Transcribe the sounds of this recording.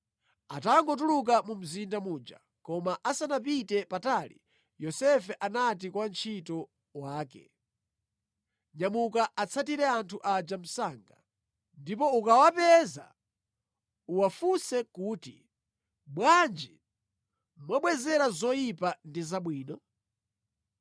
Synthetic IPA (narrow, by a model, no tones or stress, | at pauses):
ataŋɡɔt̬uluk̬amum̩zindamuːd͡ʒa̰ | kɔmaʔasanap̬itɛpatalḭ | jɔsɛfɛʔanat̬ikwant͡ʃʰitɔ | waːkɛ̰ | ɲamukaʔat͡sʰatiɾɛantʰuʔad͡ʒam̩saːŋɡa̰ | ndipɔukawapɛza̰ | uwafusɛkuːtḭ | ɓwand͡ʒi | mwaɓwɛzɛɾazɔjipandizaɓwiːnɔ